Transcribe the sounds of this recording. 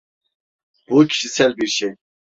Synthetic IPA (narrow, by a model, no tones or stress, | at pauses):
bucʰi̥ʃisɛlbiɾʃɛj